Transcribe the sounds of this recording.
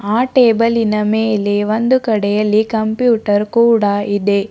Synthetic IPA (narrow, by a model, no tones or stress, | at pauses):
aːʈeːbɐlinɐmeːleʋond̪ukɐɽɛjɐlːikɐmpjuːʈɐɾkuːɽaid̪e̞